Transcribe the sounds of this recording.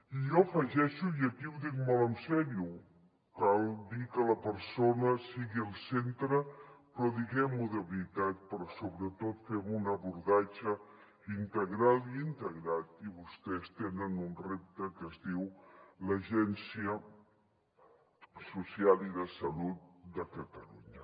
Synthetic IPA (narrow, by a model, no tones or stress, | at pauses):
ijɔəfəʒɛʃujəkiwðikmələnsɛɾju | kalˠd̪ikələpəɾsonəsiɣiəlˠsent̪ɾəpɾɔðiɣɛmuðəβɾit̪at̪̚pəɾɔsoβɾət̪ot̪femunəβuɾðat͡ʃə | int̪əɣɾaliint̪əɣɾat̪iβust̪ɛst̪enənunrep̚t̪əkəzðiwləʒɛnsiə | susialˠiðəsəlut̪̚d̪əkət̪əluɲə